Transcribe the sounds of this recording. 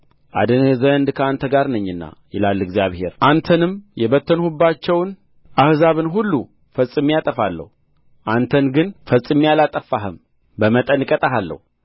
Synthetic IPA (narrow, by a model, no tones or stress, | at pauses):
ʔa̰d̪ɨnzənd̪kʰəant̪ʰəɡaɾnəɲːɨnːa̰jɪlalːɨɡzjaβhe̞̰ɾʔant̪ʰənɨmjɛβət̪ʰːənhubːat͡ʃːɛwn | ʔahzaβɨnɦulːu | fəsʼɨmːjat̪ʼəfalːə̰hu | ʔant̪ʰənɡɨnfəsʼɨmːijalat̪ʼəfːaɦɨm | bəmət̪ʼənɨkʼət̪ʼaɦalːə̰hu